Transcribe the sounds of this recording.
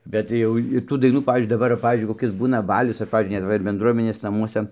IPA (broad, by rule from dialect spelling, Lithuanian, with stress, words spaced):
bʲɛt ˈjɛʊ ɪr tuː dɐɪˈnuː ˈpɑːʋʲiːzʲd͡ʒʲʊɪ dɐˈbɐr ʋɐ ˈpɑːʋʲiːzʲd͡ʒʲʊɪ koːˈkʲɪs ˈbuːnɐ ˈbɑːlʲʊs ɐr ˈpɑːʋʲiːzʲd͡ʒʲʊɪ nʲɛt ˈʋɐ ɪr bʲɛndˈruɔmʲɛnʲeːs nɐˈmuɔsɐ